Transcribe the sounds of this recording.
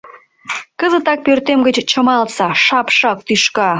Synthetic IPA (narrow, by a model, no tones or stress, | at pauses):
kəzət̪ɑk̚pørt̪emɡət͡ɕt͡ɕə̆mɑlsɑʃɑpʃɑk̚t̪yʃkɑ